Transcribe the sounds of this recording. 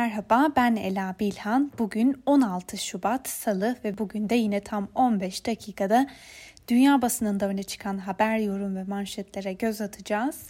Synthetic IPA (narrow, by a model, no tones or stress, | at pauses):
mæɾɦabaːbænḛlʲaːbilʲhanbuɟyno̞nalˠt̪ʰɯʃubat̪salˠɯvɛbuɟynd̪ɛjinɛt̪ʰamo̞nbɛʃd̪̥acʰiːkʰad̪ad̪̥ynjaːbasɯnɯnd̪aø̞nɛt͡ʃʰɯ̥kʰanɦabæɾjo̞ɾumvɛmaɾʃɛt̪lʲeɾɛɟø̞zat̪ʰɯd͡ʒaːz̥